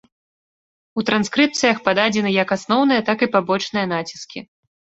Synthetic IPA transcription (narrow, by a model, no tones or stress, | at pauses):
ut̪ɾanskɾɨp̚t̪sɨjɐxpad̪ad͡zʲɛnɨjɐkasnɔwnɨjɐt̪akipabɔt͡ʂnɨjɐnat͡sʲi̥skʲi